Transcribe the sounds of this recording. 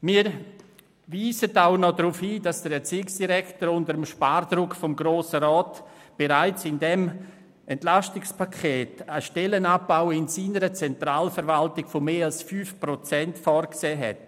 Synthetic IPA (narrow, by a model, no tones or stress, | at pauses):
miːɾ | viːzətaʊnɔdɾufhiːd̥asd̥əɾɛt͡siːksd̥iɾɛktəɾʊndəɾəmʃpaːrd̥ɾʊkfɔmɡɾoːsəɾɔːtb̥eɾaɪt͡sɪndɛm | ʔɛntlastɪkspʰakʰeːtəʃtɛlənab̥aʊɪnsiːnəɾət͡sɛntɾaːlfəɾvaltɪɡ̥fomeːalsfyːfpɾɔt͡sɛntfɔːɾkseːɦɛ̰t